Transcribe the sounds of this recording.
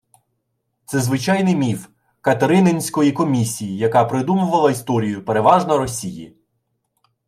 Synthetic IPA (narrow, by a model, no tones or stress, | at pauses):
t̪sɛzʋɪt͡ʃɑjnɪmʲif | kɐt̪eɾɪnenʲsʲkɔjikɔmʲisʲijijɐkɑpɾɪd̪umʊʋɐlˠɐist̪ɔɾʲijʊpeɾeʋɑʒnɔɾɔsʲijḭ